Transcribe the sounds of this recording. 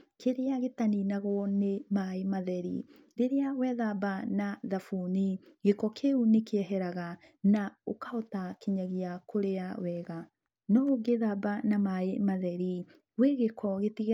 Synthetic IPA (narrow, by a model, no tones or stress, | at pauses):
kʰeɾeaɣetaninaɣwɔnemaemaðɛɾḭ | ɾeɾeawɛðabanaðafuniɣekɔkʰeunekeɛɦɛɾaɣa | naokaotakeɲaɣeakoɾeawɛɣa | nɔɡeðabanamaemaðɛɾi | weɣekɔɣetiɣ